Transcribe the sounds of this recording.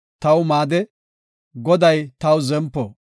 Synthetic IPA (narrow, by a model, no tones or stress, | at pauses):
t̪ɐwmaːd̪ɛ | ɡɔd̪ɐjt̪ɐwzɛmpːɔ